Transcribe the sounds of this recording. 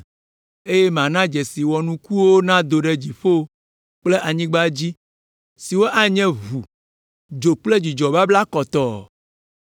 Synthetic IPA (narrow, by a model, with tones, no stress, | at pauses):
e˦jɛ˦m˨ã˨nã˦d͡ʒɛ˨si˨wɔ˨nũ˦ku˦wo˦nã˦d̪o˨ɖe˦d͡ʑi˨ɸo˦ | k͡ple˦ʔa˨ɲĩ˦ɡ͡ba˦d͡ʑi˦ | si˨wo˦ʔa˦ɲɛ̃˦vu˨ | d͡ʒo˨k͡ple˦d͡ʑi˨d͡ʒɔ˨ba˦bla˦kɔ˨t̪ɔ˨